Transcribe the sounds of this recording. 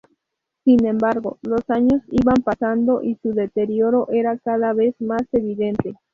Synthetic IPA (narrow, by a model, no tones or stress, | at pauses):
sinẽ̞mbaɾɡolosaɲo̞siβampasand̪oʔisuðe̞t̪eɾjoɾoʔe̞ɾakaðaβe̞smase̞βiðe̞nt̪e